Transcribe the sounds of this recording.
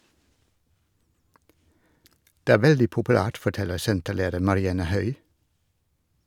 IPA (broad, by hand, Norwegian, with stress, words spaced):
ˈdeː ˈæː ˈʋɛldɪ pʊpʉˈlæːʈ fɔˈʈɛləɾ ˈsɛntəˌleːdəɾ mɑɾɪˈɑnə ˈhœʏ